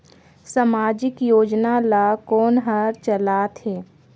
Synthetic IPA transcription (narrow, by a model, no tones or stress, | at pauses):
səmaːd͡ʒɪkjoːd͡ʒnalaːkoːnɦəɾt͡ʃəlaːt̪heː